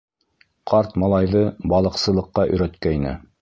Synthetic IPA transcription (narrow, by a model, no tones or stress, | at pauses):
qʰɑɾt̪mɑlˠɑjðɤbɑlˠɤ̆qsɤ̆lˠɤ̆qːɑʔɵ̰̆jɾæt̪kæinɘ̰